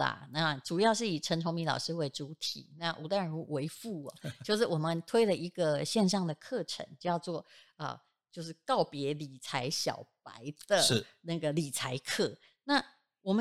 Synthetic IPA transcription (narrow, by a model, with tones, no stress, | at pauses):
ə̰˨˩na˥˧ʈ͡ʂu˨˩jɑ˥˧ʊʂ̬ɻ̩˥˩i˨˩ʈ͡ʂʰə˧˥nʈ͡ʂʰʊ˧˥ŋmi˧˥t̪ɑ˨˩ʂɻ̩˥˧we˥˩ɪʈ͡ʂu˧˥t̪ʰḭ˨˩˦na˥˩ʔṵ˧˥t̪wa˥˩ə˧˥we˧˥ɪfu˥˩ɔ̰˨˩jo˥˧ʊʂ̬̩˥˩wɔ˨˩mə˦nt̪ʰwe˥ɪlə˨i˧˥ɡə˨ɕjɛ˥˧nʂɑ˥˩ŋd̪ə˩kʰɤ˥˩ʈ͡ʂʰə̰˧˥˦ŋt͡ɕo˥˧jɑ˥˧ʊt͡swɔ˥˩ | ə̰˨˩ | t͡ɕjo˥˧ʊʂɻ̩˥˩kɑ˥˩ʊpjɛ˧˥li˨˩t͡sʰa˧˥ɪɕjɑ̰˨˩ʊpa˧˥˦ɪd̪̥ə˨˥˩na˥˩ɡə˩li˨˩t͡sʰa˧˥ɪkʰɤ˥˩ | na˥˩ | wɔ˨˩mə˦